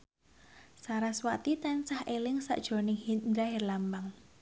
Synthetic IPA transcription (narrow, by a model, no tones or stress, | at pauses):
saɾaswat̪it̪ansahʔelɪŋsa̰ʔd̥ʒ̥o̤nɪŋhind̪ɾaɦɪrlambaŋ